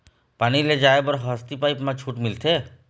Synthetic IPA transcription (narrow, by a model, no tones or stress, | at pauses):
pañiled͡ʒaebɔɾɦəst̪ipajpmãt͡ʃʰuːʈmilt̪ʰe